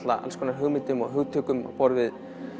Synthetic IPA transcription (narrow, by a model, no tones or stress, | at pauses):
t̪la̰ʔa̰lskʰɔnaɾɦʏɣmɪt̪ʏmɔɣɦʏɣt̪ʰʏkʏmɔ̰pɔɾvɪð